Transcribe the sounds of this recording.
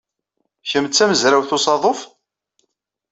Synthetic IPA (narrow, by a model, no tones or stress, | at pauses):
çəmt͡sːæməzɾawθʊsɑðˤof